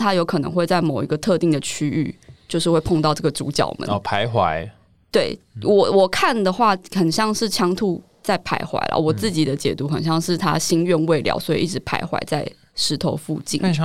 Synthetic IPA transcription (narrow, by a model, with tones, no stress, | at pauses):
t̪ʰa˥jo˧ʊkʰɤ˨˩nɤ̰˧˦ŋxwe˥˧ɪt͡sa˥˩ɪmo˨˩ʊi˧˥ɡə˧t̪ʰɤ˥˧t̪i˥˩ŋd̪ə˩t͡ɕʰy˥y̰˥˧t͡ɕjo˥˧ʊʂɻ̩˥˧we˥˧ɪpʰo˥˧ŋt̪ɑ˥˧ʊʈ͡ʂɤ˥˩ɡə˩t͡sṵ˧˥t͡ɕjɑ̰˨˩ʊmə̰˨˦˧pʰa˧˦ɪxwa̰˧˦ɪ | t̪we˥˩ɪ | wɔ˨˩wɔ˨˩kʰa˥˩nd̪ə˩xwa˥˩xə˨˩nɕjɑ˥˧ŋʂɻ̩˥˩t͡ɕʰjɑ˥ŋt̪ʰu˥˩ | t͡sa˥˩ɪpʰa˧˥ɪxwa̰˧˥ɪlʔə̰˧˩wɔ˨˩t͡sɹ̩˥˩t͡ɕi˨˩d̪ə˦t͡ɕjɛ̰˨˩t̪u˧˥xə˨nɕjɑ˥˧ŋʂɻ̩˥˩t̪ʰa̰˦ɕi˥nɥɛ˥˧nwe˥˧ɪljɑ̰˨˩ʊswɔ˧˥ḭ˨ʔi˥˩ʈ͡ʂɻ̩˧˦pʰa̰˧˥ɪxwa̰˧˥ɪt͡sa˥˩ɪ | ʂɻ̩˧˥t̪ʰo˧˥ʊfu˥˧t͡ɕḭ˥˩˨